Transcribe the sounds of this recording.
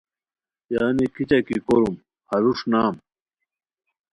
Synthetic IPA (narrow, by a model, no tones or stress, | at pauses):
jaːnikit͡ɕɐkikoɾum | hɐɾuʂnaːm